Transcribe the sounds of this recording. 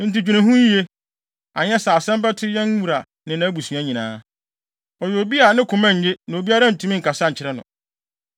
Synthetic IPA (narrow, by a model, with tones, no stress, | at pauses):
n̩˨ti˨d͡ʑᶣu˨nɪ̃˨ɦʊ̃˦ɲ˦e˦ | a˨ɲɛ˦sa˨sɛ̃˦mbɛ˦tʰɪ˦jɛ̃˦n˦wu˨ɾa˨ | nɪ̃˨nã˨˦bu˨su˨ã˦ɲĩ˨nãː˦ | ɔ˨jɛ˨o˨bi˦a˨nɪ̃˦kʰʊ̃˨mã˦ɲ̩˨˦jɪ˦nã˨o˨bi˦a˦ɾa˦˨n̩˨tʰũ˨mĩ˦ŋ̩˨kʰa˨sa˦ɲ̩˨t͡ɕʰɪ˦ɾɛ˦nʊ̰̃˨